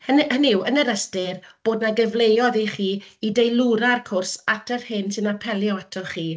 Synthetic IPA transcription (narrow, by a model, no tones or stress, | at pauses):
hənənɪwənəɾəstɪrb̥oːdnaɡəvlˠejɔðiχiːidejlˠuɾarkʰʊrsatʰərhɨnsɪnapʰɛlˠjɔatʰɔχiː